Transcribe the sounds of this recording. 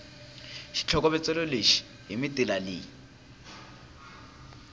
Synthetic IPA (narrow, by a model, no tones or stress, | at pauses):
ʃi̥t͡ɬʰɔkɔβɛt͡sʼɛloleʃi̥ | ɦimitʼilalɪ